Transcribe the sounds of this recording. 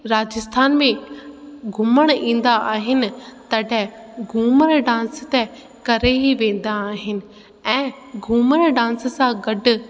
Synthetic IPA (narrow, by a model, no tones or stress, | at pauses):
ɾaːd͡ʑəst̪ʰaːnmẽ | ɡʱʊməɽ̃ĩːn̆d̪aʔaːɦɪnɪ̆t̪ɐɖʱɛɡʱuːməɾɖãːnst̪ɛ | kɐɾeɦiʋẽːn̆d̪aːɦɪnɪ̆ | ɛ̃ː | ɡʱuːməɾɖãːnssãɡɐɖ̆